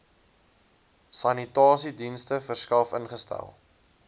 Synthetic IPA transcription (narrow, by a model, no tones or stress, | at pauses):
sɐnitɑːsidinstəfərskɐfənχəstæ̰lˠ